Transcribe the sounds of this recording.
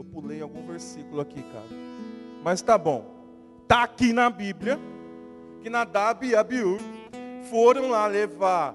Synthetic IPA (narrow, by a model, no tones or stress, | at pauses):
wpulej̃awɡũveɾsikulʊakika̰ɾɐmɐst̪abõw̃ | t̪aːkinɐbiblʲjɐ | kɪnɐd̪abiabiu | foɾɐ̃w̃laleva